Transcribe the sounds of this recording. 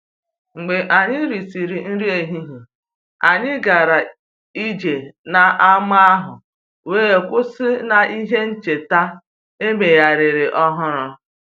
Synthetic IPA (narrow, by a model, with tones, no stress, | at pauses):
ŋ͡m̩˨ɡ͡be˨ʔa˨ɲɪ˦ɾi˨si˨ɾi˨n̩˦ɾi˦e˨ɦi˦ɦi˨ | a˨ɲɪ˦ɡa˨ɾa˨ | i˦d͡ʒe˨na˨ʔa˦ma˦a˦ɦʊ˨ | weː˦e˨kʷʊ˦sɪ˦na˨i˦ɦe˦n̩˦t͡ʃe˨ta˦ | e˦me˨ja˨ɾɪ˨ɾɪ˨ʔɔ˦ɦʊ˦ɾʊ˦